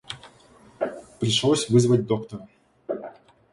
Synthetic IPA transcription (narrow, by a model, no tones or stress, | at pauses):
pɾʲɪʂlˠosʲvɨzvəd̚ʲd̪o̞kt̪əɾə